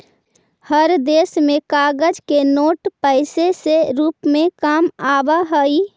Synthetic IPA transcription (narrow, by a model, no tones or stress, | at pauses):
həɾd̪eːsmẽkaːɡəd͡ʒkenoːʈpəɪseseɾuːpmẽkaːmaːbaɦəi